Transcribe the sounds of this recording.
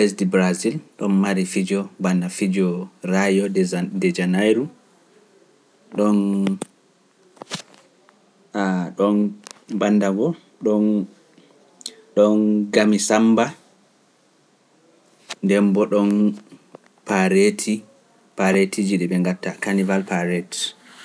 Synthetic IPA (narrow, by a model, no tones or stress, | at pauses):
fɛs̬dibɾazilɗɔnmaɾifid͡ʒɔbandafid͡ʒɔrajɔdɛd͡ʒanajɾu | ɗɔn | aɗɔnbandaɡɔ | ɗɔn | ɗɔnɡamisamba | ndɛmbɔɗɔn | paɾetʰi | paɾetʰid͡ʒiɗɛɓɛŋɡatːakanivalpaɾɛt